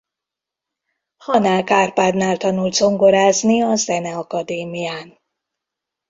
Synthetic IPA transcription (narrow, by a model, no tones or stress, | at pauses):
hɒnaːlkaːrpaːd̪naːlt̪ɒnult̪zo̞ŋɡoɾaːzniɒzɛnɛɒkɒd̪eːmijaːn